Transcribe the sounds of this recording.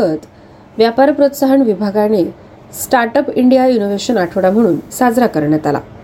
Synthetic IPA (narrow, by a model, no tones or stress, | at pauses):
ət̪ | ʋjapaɾpɾot̪saɦəɳʋibʱaɡañe | sʈaɾʈəpiɳɖijajunoʋeɕənaʈʰəʋɽam̤əɽ̃uːnsad͡zɾakəɾɳjat̪ala̰